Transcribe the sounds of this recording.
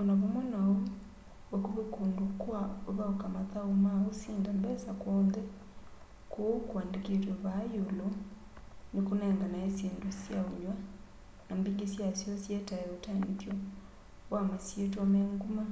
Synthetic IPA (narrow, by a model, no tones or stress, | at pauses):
onaβomwenao | wekuβekuːndukwaoβaokamataumaɣosiːndambɛsakwoːnde | kukwaːndiketweβajulo | nikuneːŋɡanaesiːndusjauɲwa | nambiŋɡisjasjosjetajeotanitjo | wamasjetameːŋɡuma